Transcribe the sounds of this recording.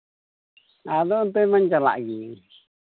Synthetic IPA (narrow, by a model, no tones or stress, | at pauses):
aðoʔnt̪oimãnd͡ʒala̰ʔɣi